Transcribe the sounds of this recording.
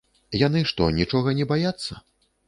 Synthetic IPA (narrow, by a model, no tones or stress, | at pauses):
janɨʂt̪ɔ̰nʲit͡ʂɔɣɐnʲɛbajat̪sːɐ